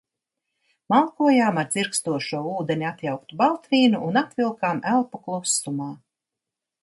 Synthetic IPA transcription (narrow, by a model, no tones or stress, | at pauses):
malˠkuɔjaːmaɾt̪ziɾkst̪uɔʃuɔuːd̪enʲiat̪jawkt̪ubalˠt̪vʲiːnuʔunat̪vʲilˠkaːmælˠpaklˠusːumaː